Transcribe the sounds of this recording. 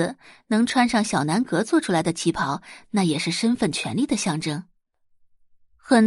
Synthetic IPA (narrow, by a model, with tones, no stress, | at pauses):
nɤ˧˥ŋʈ͡ʂʰwa˥nʂɑ˥˩ŋɕjɑ˨˩ʊna˧˥nkɤ˧˥t͡swɔ˥˩ʈ͡ʂʰu˥la˧˥ɪd̪ə˧t͡ɕʰi˧˥pʰɑ˧˥ʊna˥˩jɛ˨˩ʂɻ̩˥˩ʂə˥nfə˥˩nt͡ɕʰɥɛ˧˥nli˥˩d̪ə˩ɕjɑ˥˩ŋʈ͡ʂɤ˥ŋ | xə˨˩n